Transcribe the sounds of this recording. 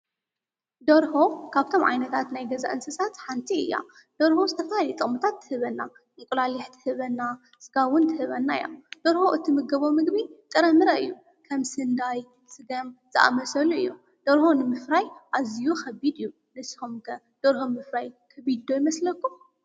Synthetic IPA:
d̪ɐɾho̞kʰaβt̪ʰo̞mʕa̰jnɐt̪ʰat̪najɡɐza̰ʔɨnsɨsat̪ħant̪ʰiɨjːa̰ | d̪̥oɾhozɨt̪ʰɐfɐhalit̪ʼɨχʼmut̪ʰat̪ʰːɨ̥hɨβɐnːa̰ | mɨkʼulaliħt̪ʰɨ̥hɨβɐnːa | sɨɡawʊnt̪ʰɨhɨβɐnːajo̰d̪̥oɾho̞ʔɨt̪ʰimɨɡɐβo̞mɨɡbit̪ʼɨɾɐmɨɾɐɨjːu | kʰɐmsɨnd̪aj | sɨɡɐmz̥ɨʔa̰mɐsɐluɨ̰jːu | d̪̥oɾho̞nɨmɨfɾajʔazijuxɐbid̪ɨjːu | nɨshomkʰɐ | d̪̥oɾhomɨfɾajkʰɐbid̪̚d̪ojmɐslɐkːum

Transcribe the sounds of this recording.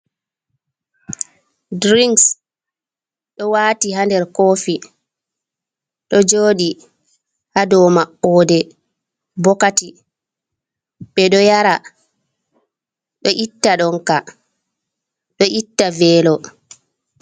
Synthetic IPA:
dɾiŋks | ɗɔwaːtiɦandɛɾkoːfi | ɗɔd͡ʒoːɗi | hadɔmaʔːɔːdɛ | bɔkati | ɓɛɗɔjaɾa | ɗɔʔitːaɗɔŋka | ɗɔʔitːavɛːlɔ

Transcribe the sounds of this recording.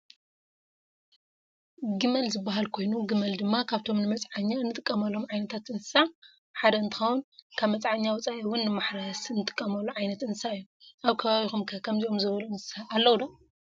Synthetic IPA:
ɡɨmɐlzɨbːaɦalkʰo̞jnuɡɨmɐld̪ɨmːakʰaβt̪ʰo̞mnɨmɐt͡sʼʕaɲːaɨnːɨt̪ʼɨkʼːɐmɐlo̞mʕajnɐt̪ʰat̪ʔɨnsɨsa | ħad̪ɐɨnt̪ʰɨ̥xɐwunkʰaβmɐt͡sʼʕaɲːawʊt͡sʼaʔiwʊnːɨmaħɾasɨnːɨt̪ʼɨ̥kʼːɐmɐlːuʕajnɐt̪ɨnsaɨjːoʔaβkʰɐβaβixumkʰɐkʰɐmziʔo̞mzɨβɐluɨnsaʔːlːɐwd̪ɐ

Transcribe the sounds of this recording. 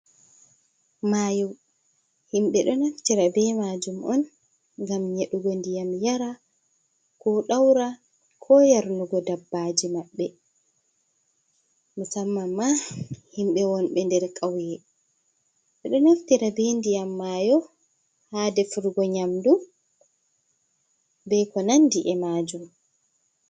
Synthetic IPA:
majuw | himɓɛɗɔnaftiɾabɛmaːd͡ʒumʔɔn | ŋɡamɲeɗuɡɔndijamjaɾa | kɔɗawɾa | kʰɔjaɾnuɡɔdabːad͡ʒimaɓːɛ | masamːamːahimɓɛwɔnɓɛndɛɾkʼawjɛ | ɓɛɗɔnaftiɾabendijamːaːjɔ | haːdɛfuɾɡɔɲamdu | bɛkɔnandiʔɛmaːd͡ʒum

